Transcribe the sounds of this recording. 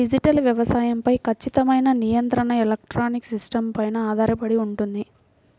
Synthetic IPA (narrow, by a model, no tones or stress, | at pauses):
id͡ʒiʈɐlʋjɐʋɐsaːjɐmpɐjkʰɐt͡ʃːit̪ɐmɐjnɐnijɐnt̪ɾɐɳɐelɐk̚ʈɾaːniksisʈɐmpɐjnɐaːd̪ʱaːɾɐpɐɽiuɳʈund̪i